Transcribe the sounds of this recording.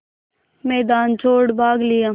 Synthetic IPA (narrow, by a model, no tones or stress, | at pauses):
mɛːd̪aːnt͡ʃʰoːɽbʱaːɡlɪjaː